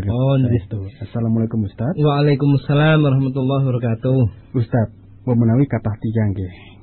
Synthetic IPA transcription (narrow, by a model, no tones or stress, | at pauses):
nd͡ʒit̪uasalamulakumust̪at̪waalakʊmasːalamwaɾɑhmat̪ulːɑɦbaɾɔkat̪uh | ust̪at̪̚ | wamənawikat̪aht̪id͡ʒaŋɡɛh